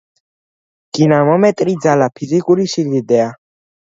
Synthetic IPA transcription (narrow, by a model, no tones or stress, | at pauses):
ɡ̥inamɔmɛt̪ʼɾid̪zalapʰizikʼuɾisild̪id̪ɛa